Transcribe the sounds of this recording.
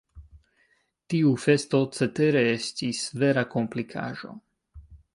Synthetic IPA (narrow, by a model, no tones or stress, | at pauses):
t̪iufest̪ot͡set̪eɾeest̪isveɾakomplikʰa̰ːʒo̰